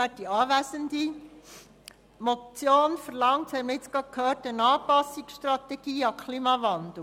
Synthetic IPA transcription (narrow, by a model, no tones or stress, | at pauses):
æt̚d̥iɑːʋæsəndi | mɔt͡sjoːnfəɾlɑŋthɛjməɾɪt͡sɡ̥ɑt̚kʰhøːɾtənɑːpɑsːiksʃtɾɑt̪ɛɡ̥iːɑkʰliːmɑvɑnd̪̥l̩